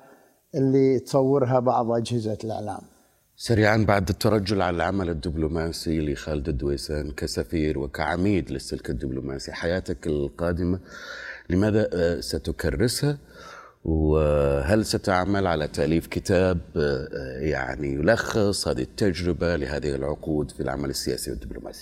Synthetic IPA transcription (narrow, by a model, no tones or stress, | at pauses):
ʔɪlːit̪sˤɑwːɪɾɦabɑʕðˤʔad͡ʒhɪzalɪ̰ʕla̰ːm | saɾiːʕanbaʕd̪ɪt̪ːɑɾˤɑd͡ʒːʊlʕalalʕamalɪd̪ːɪblʊmaːsilixaːlɪd̪ad̪ːweːsaːnkasafiːɾwɪkaʕamiːd̪lɪsːɪlkad̪ːɪblʊmaːsiħajaːt̪akɪlqɑːd̪ɪmalɪmaːðasat̪ʊkɑrˤːɪsha | wɦalsat̪aʕmalʕalat̪aʔliːfkɪt̪aːb | ja̰ʕnijʊlɑxːɪsˤhaːðit̪ːad͡ʒɾɪbalɪɦaːðɪhɪlʕʊquːd̪filʕa̰malɪsːɪja̰ːsiwɪd̪ːɪblʊ̰mʔa̰ːsi̥